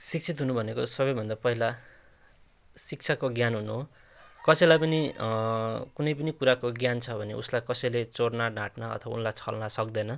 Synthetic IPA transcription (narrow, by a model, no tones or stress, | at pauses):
sikt͡sʰit̪ɦunubʱʌnekosʌbʌjbʱʌnd̪apʌɦila | sik̚t͡sʰakoɡjanɦunuɦo | kʌsʌjlajpʌni | kunʌjpʌnikuɾakoɡjant͡sʰʌbʱʌnḛʔṵslajkʌsʌjlet͡soɽnaɖʱãʈnaʌ̰t̪ʰʌbaṵnlajt͡sʰʌ̰lnasʌkd̪ʌnʌ